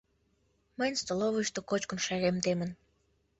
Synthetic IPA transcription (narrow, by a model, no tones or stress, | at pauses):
məjnst̪oloβəʃt̪okot͡ɕkə̆nʃæɣemd̪emə̆n